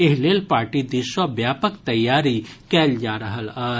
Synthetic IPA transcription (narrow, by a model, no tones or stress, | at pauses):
eɦleːlpaːɾʈid̪iʃəʋjaːpəkt̪ɐjːaːɾikɛːld͡ʒaːɾɐɦəlɐː